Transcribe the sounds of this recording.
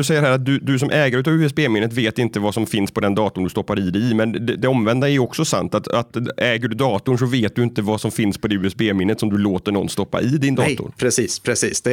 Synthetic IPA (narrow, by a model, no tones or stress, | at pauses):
sɛjːəɾɦæːɾat̪̚d̪ɵd̪ɵs̬ɔmʔɛːɡaɾʉ̟ːt̪avʉːɛsbeːmɪnːət̪veːt̪ɪnt̪əvasɔmfɪnspʰɔd̪ɛnd̪ɑːt̪ʊnd̪ɵst̪ɔpːaɾɪd̪ɛɪmɛnd̪ɛd̪ɛɔmvɛnd̪aɛjɔksɔsa̰nt̪at̪at̪ɛːɡəɖʉd̪ɑːt̪ʊɳʂ̬ɔveːt̪̚d̪ɵɪnt̪əvasɔmfɪnspʰɔd̪ɛʉːɛsbeːmɪnːət̪sɔmd̪ɵloːt̪əɳɔ̰nst̪ɔpːa̰ɪd̪ɪnd̪ɑ̰ːt̪ʊ̰ɾpʰɾɛsiːspʰɾɛsiːsd̪ɛ